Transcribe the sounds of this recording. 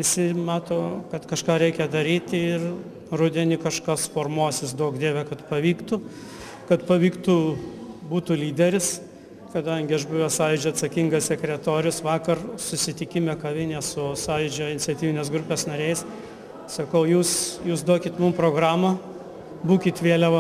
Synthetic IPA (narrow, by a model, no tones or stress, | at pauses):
ʋʲɪsʲɪmɑːt̪oːkɐt̪kɐʃkɑːɾʲɛɪkʲɛd̪ɐɾʲiːt̪ʲɪr | rʊd̪ʲɛnʲɪkɐʃkɐsfoːrmuɔsʲɪsd̪oːkd̪ʲeːʋʲɛkɐt̪pɐʋʲiːkt̪ʊ | kɐt̪pɐʋʲiːkt̪ʊbuːt̪ʊlʲiːd̪ʲɛɾʲɪs | kɐd̪ɐŋʲɡʲɪɐʃbʊʋʲoːsɑːjɪd͡ʒʲoɐt̪sɐkʲɪŋɡɐssʲɛkɾʲɛt̪oːɾʲʊsʋɑːkɐrsʊsʲɪt̪ʲɪkʲɪmʲekɐʋʲɪnʲeːsʊsɑːjɪd͡ʒʲoːɪnʲɪt͡sʲɛt̪ʲiːʋʲɪnʲeːs̬ɡɾʊpʲeːsnɐɾʲɛɪs | sɐkɐʊjuːsjuːsd̪oɔkʲɪt̪mʊmpɾoːɡɾɑːmɐ | buːkʲɪt̪ʋʲeːlʲɛʋɐ